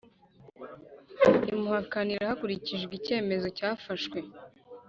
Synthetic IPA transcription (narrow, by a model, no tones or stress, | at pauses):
imuhakaniɾahakuɾiciʒɡice̞ːme̞zo̞caːfaʃkwe̞